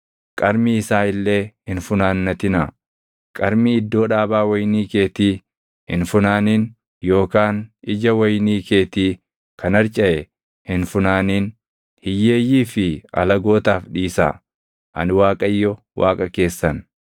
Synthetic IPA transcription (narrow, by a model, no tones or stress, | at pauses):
kʼɐɾmiɪsaːɪlːe̞ːhɪnfʊnaːnːɐt̪ɪna̰ | kʼɐɾmiɪd̪ːo̞ːᶑaːbaːwɐjniːke̞ːt̪iː | hɪ̰nfʊnaːniːn | jo̞ːkaːnɪd͡ʒɐwɐjniːke̞ːt̪iː | kʰɐnɐɾt͡ʃʼɐʔɛ | hɪnfʊnaːniːn | hɪjːe̞ːjːiːfɪɐ̰lɐɡo̞ːt̪aːfᶑiːsa̰ː | ʔɐ̰nwaːkʼɐjːɔ | wʔa̰ːkʼɐke̞ːsːɐn